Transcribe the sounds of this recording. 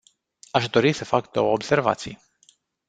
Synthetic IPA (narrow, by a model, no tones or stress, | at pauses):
aʃd̪o̞ɾisəfakd̪o̞̰wəobse̞rva̰t̪sij